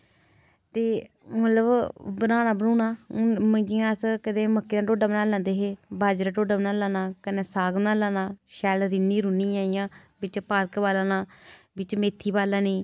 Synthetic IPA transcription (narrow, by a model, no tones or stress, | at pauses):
t̪eː | mət̪ləbbənaːnaːbənuːnaːməŋɡiːãːskəd̪ẽːməkːeːnãːʈoːɖaːbənãːlãːnd̪eːɦeːbaːd͡ʒɾaːʈoːɖaːbənaːlãːnãːkənẽːsaːɡnãːlãːnãːʃɛːlɾɪnːiːɾuniːãːijãː | bɪt͡ʃpaːɾkbaːlãːnãː | bɪt͡ʃmeːt̪ʰːiːbaːlãːnĩː